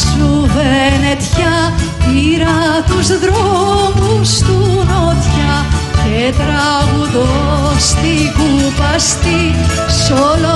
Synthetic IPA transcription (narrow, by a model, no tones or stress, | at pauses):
suvenet̪çɐiɾɐt̪uzðɾomust̪unot̪çɐcet̪ɾɐɣuðost̪iɣupɐst̪i | sol